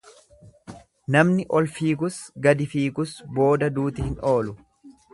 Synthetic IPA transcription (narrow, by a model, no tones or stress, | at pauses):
nɐmnɪʔɔlfiːkʊsɡɐd̪ɪfiːkʊsbo̞ːd̪ɐd̪uːt̪ɪhɪno̞ːlʊ